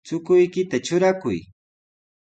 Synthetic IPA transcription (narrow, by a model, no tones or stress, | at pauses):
t͡sʊkʊjkɪt̪at͡ʃʊɾakʊj